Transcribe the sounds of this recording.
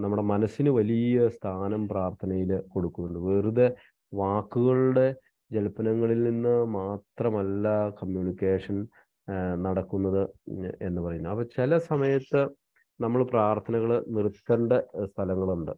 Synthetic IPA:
nɐmːuɽe̞mɐnɐsːinɨʋɐlijɐst̪ʰaːnɐmpraːrt̪ʰɐnɐjilko̞ɽukːunːuɳɖɨʋeːruðe | ʋaːkːuɣɐɭuɽe̞ | d͡ʑelpɐnɐŋːɐɭilninːɨmaːt̪rɐmɐlːɐkɐmjuːnikʲːeːʂɐn | nɐɽɐkːunːɐðɨe̞̰nːɨpɐrɐjunːuɐpːɐt͡ɕilɐsɐmɐjɐt̪ːɨ | nɐmːɐɭpraːrt̪ʰɐnɐɣɐɭnirt̪ːɐɳɖest̪ʰɐlɐŋːɐɭuɳɖɨ

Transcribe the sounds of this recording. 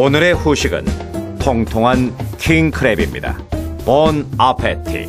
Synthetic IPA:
onɯɾe̞ɸuɕʰiɡɯ̰ntʰoŋtʰoŋɦankʰiŋkʰɯɾebḭmɲḭda̰pʌnapʰetʰḭ

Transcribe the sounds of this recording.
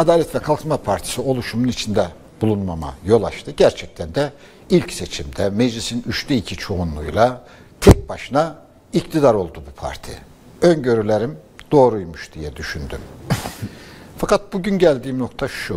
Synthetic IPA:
ad̪aːlʲɛt̪vɛkʰalˠkmapʰaɾt̪ʰi̥sio̞lˠuʃumunit͡ʃʰind̪ɛ | bulˠunmama̰jo̞lˠaʃt̪ʰɯɟæɾt͡ʃʰɛc̚t̪ʰænd̪ɛ | ilʲcse̞t͡ʃʰimd̪ɛmed͡ʒlʲisinyʃt̪ʰɛicʰit͡ʃʰo̞unlˠujlˠa | t̪ʰɛc̚baʃɯna | ict̪ʰid̪aɾo̞lˠd̪ubupʰa̰ɾt̪ʰḭ | ønɟø̞ɾylʲeɾimd̪o̞ːɾujmuʃd̪̥ijɛd̪yʃynd̪ym | fakʰat̪̚buɟynɟælʲd̪iːmno̞kt̪ʰaʃu

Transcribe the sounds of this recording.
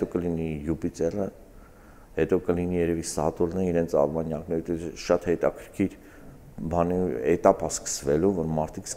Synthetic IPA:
t̪ɔkəlinijupit͡sɛrə | hɛt̪ɔkəlinijɛɾɛvisɑ̰t̪ulnəiɾɛnt͡sʰɑ̰rmɑnjɑknɛɾut̪ɛʃɑt̪hɛt̪ɑkʰəɾkʰiɾ | bɑniɛt̪ɑpɑskə̥svɛluvɔɾmɑɾt̪ʰiks

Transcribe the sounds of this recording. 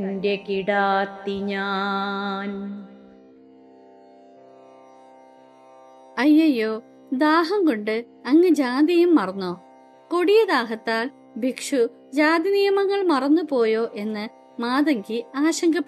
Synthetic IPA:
ndekiɽaːt̪ːiɲaːn | ɐjːɐjːoː | d̪aːɦɐŋkoɳɖɨ | ɐŋːɨd͡ʑaːd̪ijumːɐrɐnːoː | koɽijɐd̪aːɦɐt̪ːaːl | bʱikʂu | d͡ʑaːd̪inijɐmɐŋːɐɭmɐrɐnːupo̞ːjo̞ːʔe̞nːɨ | maːðɐŋɡiaːɕɐŋɡʱɐpː

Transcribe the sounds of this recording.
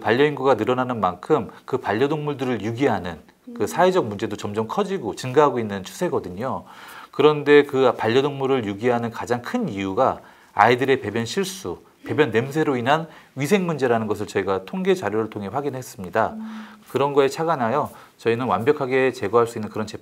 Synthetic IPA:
paʎːʌinɡuɡanɯɾʌnanɯnmankʰɯmkɯpaʎːʌdoŋmuɭdɯɾɯɭjuɡiɦanɯn | kɯsʰaed͡ʑʌk̚mund͡ʑe̞dot͡ɕʌmd͡ʑʌmkʰʌd͡ʑiɡot͡ɕɯŋɡaɦaɡoinːɯnt͡ɕʰu̥sʰe̞ɡʌdɯɲokɯɾʌnde̞kɯpaʎːʌdoŋmuɾɯɭjuɡiɦanɯnkad͡ʑaŋkʰɯnijuɡa | a̰idɯɾe̞pe̞bjʌnɕʰiɭs͈u | pe̞bjʌnːe̞ms̬ʰe̞ɾoinɦanɥisʰe̞ŋmund͡ʑe̞ɾanɯnɡʌs̬ʰɯɭt͡ɕʌiɡatʰoŋɡe̞t͡ɕaɾjoɾɯɭtʰoŋɦe̞ɸwaɡinɦe̞s͈ɯmɲidakɯɾʌnɡʌet͡ɕʰaɡanajo | t͡ɕʌinɯnwa̰nbjʌkʰaɡe̞t͡ɕe̞ɡʌɦaɭs͈uinːɯnkɯɾʌnt͡ɕe

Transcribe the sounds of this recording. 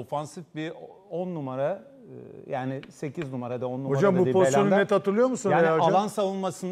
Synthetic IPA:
ofansifbi | ɔnːumaɾa | jaːnɪse̞cʰiznumaɾad̪aonːumod͡ʒambuposjo̞nunɛt̪ʰat̪ʰɯɾlˠɯjo̞ɾmusunejaalˠansavɯnˠmasɯn

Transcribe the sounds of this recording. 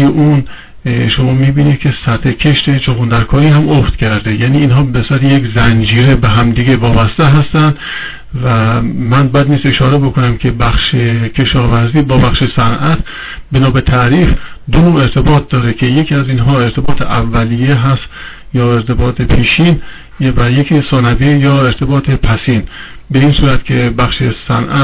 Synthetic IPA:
jeʔun | ʃomɒːmiːbiːnid̪̚kʰe̞sæt̪ʰekʰe̞ʃt̪ʰet͡ʃʰoɣund̪æɾkʰɒːɾiːhæmoft̪cʲʰæɾd̪e̞jæːniːnhɒːbesæɾejekzænd͡ʒiːɾe̞be̞ɦæmd̪iːɡe̞vɒːbæst̪eɦæst̪ænd̪ | væmænbɒjæd̪niːse̞ʃɒːɾe̞bo̞ko̞næmkʲʰe̞bæxʃekʰe̞ʃɒːvæɾziːbɒːbæxʃesænʔæt̪ʰ | be̞nɒːbe̞t̪ʰæɾiːfd̪onoːe̞ɾt̪ʰe̞bɒːt̪̚d̪ɒːɾekʲʰe̞je̞kʰiæziːnɦɒːe̞ɾt̪ʰe̞bɒːt̪ʰeʔævːælijeɦæst̪ | jɒːe̞ɾt̪ʰe̞bɒːt̪ʰepʰiːʃiːn | jvæjekʰisɒːnævijɒːe̞ɾt̪ʰe̞bɒːt̪ʰepʰæsin | beiːnsuːɾæt̪kʲʰe̞bæxʃesæ̰nʔæ

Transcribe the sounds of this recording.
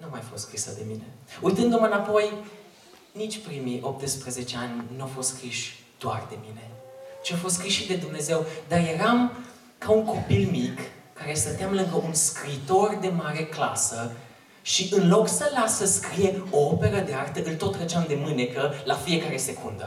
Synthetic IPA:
numajafo̞st̪skɾisəd̪e̞̰mine̞ujt̪ɨnd̪umɨnapo̞j | nit͡ʃʲpɾimiʔo̞p̚t̪əspɾəze̞t͡ʃe̞anʲnuafo̞st̪skɾiʃʲ | d̪̥oa̰rd̪e̞mine̞t͡ʃiafo̞s̬t̪kɾiʃid̪e̞d̪umne̞ze̞wd̪arje̞ɾam | kauŋko̞pilmikːaɾe̞sənt̪eamləkəʔunskɾiːt̪o̞rd̪e̞maɾe̞kla̰sə | ʃiʔɨnlo̞ksəlasəskɾije̞oope̞ɾəd̪eart̪əɨlt̪o̞t̪ːɾet͡ʃeamd̪e̞mɨne̞kəlafie̞kaɾe̞se̞kund̪ə̰

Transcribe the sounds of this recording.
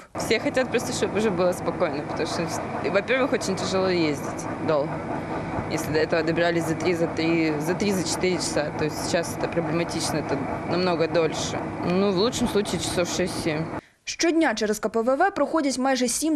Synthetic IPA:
fsʲexɐtʲat̪̚pɾost̪əʂt̪obʊʐɛbɨlˠəspɐko̞jnəpət̪ɐmuʂt̪ɔvɐpʲe̞rvɨxo̞t͡ɕɪnʲtʲɪʐɨlˠojezʲdʲɪtʲ | d̪o̞lˠɣə | jesʲlʲɪd̪ɐɛt̪əvəd̪əbʲɪɾalʲɪsʲzɐt̪ɾʲizɐt̪ɾʲizɐt̪ɾʲizɐt͡ɕɪ̥t̪iɾʲɪt͡ɕɪ̥sat̪o̞ɪsʲt̪ʲɪ̥t͡ɕasɛt̪əpɾəblʲɪmɐtʲit͡ɕnəɛt̪ənɐmno̞ɡəd̪o̞lʲʂɨ̰nuvlˠut̪ʂɨmslˠut͡ɕɪːt͡ɕɪ̥sofʂɛsʲtʲːsʲemʲ | ʂt͡ʃɔdʲnʲat͡ʃɛɾəskɐpəvɛvɛpɾɐxodʲɪtʲmajʐɛsʲimʲ

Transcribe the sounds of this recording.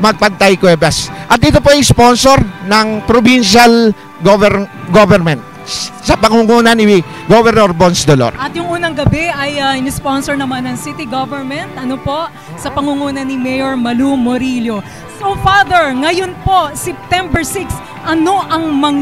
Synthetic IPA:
mɐɡ̚pɐɡ̚t̪ajkwɛːbɐsʔɐt̪ɪt̪opoɐjsponsoɾnɐŋpɾobinʃal | ɡovɛɡovɛɾmɛnt̪̚ | sɐpɐŋuŋuːnɐnɪ | ɡovɛɾnoɹbonsd̪olo̰ɾʔɐt̪jʊŋʔuːnɐŋɡɐbɛʔɐjɐɪnɪsponsoɹnɐmanːɐŋsit̪ɪɡovɛɹmɛnt̪̚ʔɐnopo̞ʔ | sɐpɐŋuŋuːnɐnimɛjoɹmɐlumoɾiljo̞ | sofaðɛɹŋɐjonpo̞sɛp̚t̪ɛmbɛɹsiks | ʔɐno̞ʔɐŋmɐ

